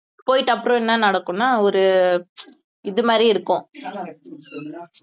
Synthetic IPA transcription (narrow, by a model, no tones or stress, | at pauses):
poːjɪʈːɐpːɯɾɔ̃ɛnːɐnɐɽɐkːʊ̃nːaːɔɾɯ | ɪðɯmaːd̪ɾiɪɾɯkːʊ̃